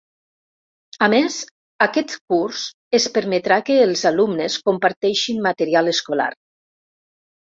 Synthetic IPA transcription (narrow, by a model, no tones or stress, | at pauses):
amez | akɛt̪kurz | əspəɾmət̪ɾakəːlˠzalumnəskompaɾt̪ɛʃinmat̪əɾialəskola̰ɾ